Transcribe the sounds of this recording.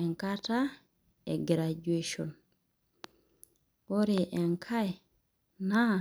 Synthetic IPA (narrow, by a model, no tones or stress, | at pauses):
ɛŋkata | ɛɡɾad͡ʒueʃɔn | wɔɾɛʔɛŋkʰaj | na